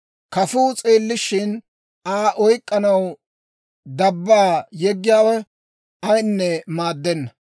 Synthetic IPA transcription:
kɐfuːt͡sʼeːlːɪʃɪn | aːʔɔjkʼːɐnɐw | d̪ɐbːaːjɛɡːɪjaːwɛ | ɐjnːɛmaːd̪ːɛnːɐ

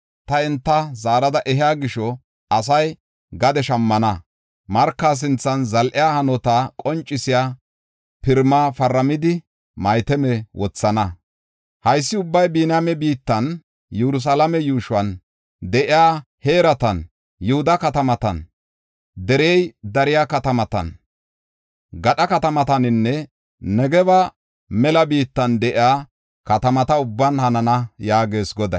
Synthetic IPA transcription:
t̪ɐɛnt̪ːɐzaːɾɐd̪ɐʔɛɦɪjaːɡɪʃɔ | ɐs̬ɐj | ɡɐd̪ɛʃɐmːɐnɐ | mɐɾkːaːs̬ɪnt͡sːɐnzɐlʔɪjaːhɐnɔt̪akʼɔnt͡ʃʼːɪsɪjaː | pɪɾmaːfɐɾːɐmɪd̪ɪ | mɐjt̪ɛmɛwʔɔt͡sːɐnɐ | hɐjsːɪʊbːɐjbiːnamɛbiːt̪ːɐn | jɛɾʊs̬alɐmɛjuːʃʊɐn | d̪ɛʔɪaː | heːɾɐt̪ɐn | jʊhʊd̪ɐkɐt̪ɐmɐt̪ɐ̰n | d̪ɛɾejd̪ɐɾɪjakɐt̪ɐmɐt̪ɐ̰n | ɡɐɗɐkɐt̪ɐmɐt̪ɐnɪnːɛ | nɛɡɛβɐ | mɛlɐbiːt̪ːɐnd̪ɛʔɪaː | kɐt̪ɐmɐt̪ɐʊbːɐnhɐnɐnɐjaːɡe̞ːsɡɔd̪ɐ

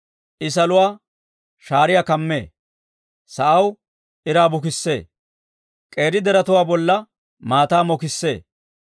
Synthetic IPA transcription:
ʔɪs̬ɐlʊwaː | ʃaːɾɪjakɐmːe̞ː | sɐʔɐw | ʔɪɾaːbʊkɪsːe̞̰ː | kʼe̞ːɾɪd̪ɛɾɐt̪ʊwaːbɔlːɐ | maːt̪aːmɔkɪsːe̞̰ː

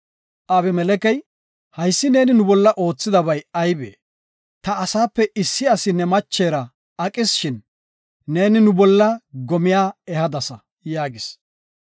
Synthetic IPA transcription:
ʔɐβɛmɛlɛkɛj | hɐjsːɪne̞ːnɪnʊbɔlːɐʔo̞ːt͡sːɪd̪ɐβɐjɐjbḛː | t̪ɐːsaːpːɛʔɪsːɪɐsɪnɛmɐt͡ʃːeːɾɐ | ɐkʼɪsʃɪnː | e̞ːnɪnʊbɔlːɐɡɔmɪjaːɛhɐd̪ɐsɐ | jaːɡɪs

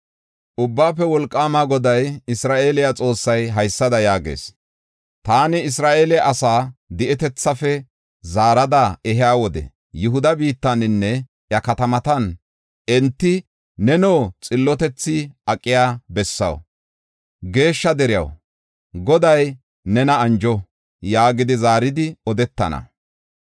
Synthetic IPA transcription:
ʔʊbːaːpːɛwɔlkʼːaːmaːɡɔd̪ɐjɪsɾaːʔeːlɪjat͡sʼo̞ːsːɐjɦɐjsːɐd̪ɐjaːɡḛːs | t̪aːnɪɪsɾaːʔeːlɪʔɐsaːd̪ɪʔɛt̪ɛt͡sːɐfɛ | zaːɾɐd̪ɐɛɦɪjaːwɔd̪ɛ̰ | jʊɦʊd̪ɐbiːt̪ːɐnɪnːɛ | jɐkɐt̪ɐmɐt̪ɐn | ɛnt̪ːɪ | nɛnoːt͡sʼɪlːɔt̪ɛt͡sːɪɐkʼːɪjaːbɛsːɐ̰w | ɡe̞ːʃːɐd̪ɛɾɪjɐ̰w | ɡɔd̪ɐj | nɛnɐːnd͡ʒɔ | jaːɡɪd̪ɪzaːɾɪd̪ɪɔd̪ɛt̪ːɐ̰nɐ̰

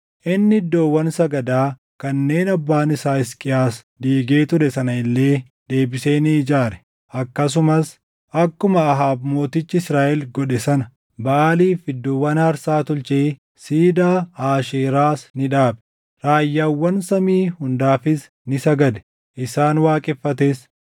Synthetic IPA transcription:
ʔɪnːɪɪd̪ːoːwːɐnsɐɡɐd̪aː | kɐnːeːnɐbːaːnɪsaːɪskʼɪjaːs | d̪iːɡe̞ːt̪ʊɾɛsɐnɐɪlːe̞ː | d̪e̞ːbɪseːniːd͡ʒaːɾɛ̥ | ʔɐkːɐs̬ʊmɐs | ʔɐkːʊmɐːɦaːbmo̞ːt̪ɪt͡ʃːɪɪsɾaːʔɛlɡɔᶑɛsɐnɐ | bɐːliːfɪd̪ːʊwɐnɐɾsaːt̪ʊlt͡ʃeː | siːd̪aːaːʃiːɾaːsnɪᶑaːbɛ̥ | ɾaːjːaːwːɐnsɐmiːhʊnd̪aːfɪs | nɪsɐɡɐd̪ɛ̥ | ʔɪsaːnwaːkʼɪfːɐt̪̬ɛs

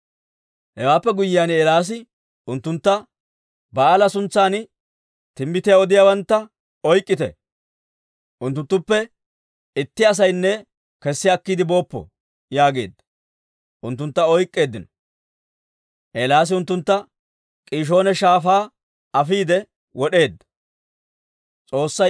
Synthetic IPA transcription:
hɛwaːpːɛɡʊjːaːneːlaːs̬ɪ | ʊnt̪ːʊnt̪ːɐ | bɐaːlɐsʊnt͡sːaːnɪ | t̪ɪmːɪt̪ɪjaɔd̪ɪjaːwɐnt̪ːɐ | ɔjkʼːɪt̪ɛ̰ | ʔʊnt̪ːʊnt̪ːʊpːɛ | ɪt̪ːɪɐs̬ɐjnːɛ | kɛsːɪɐkːiːd̪ɪbo̞ːpːɔ̰ | jaːɡe̞̰ːd̪ːɐ | ʔʊnt̪ːʊnt̪ːɐɔjkʼːe̞ːd̪ːɪnɔ | ʔeːlaːs̬ɪʊnt̪ːʊnt̪ːɐ | kʼiːʃ̬o̞ːnɛʃaːfaː | ɐfiːd̪ɛ | wɔɗe̞ːd̪ːɐ | t͡sʼo̞ːsːɐ

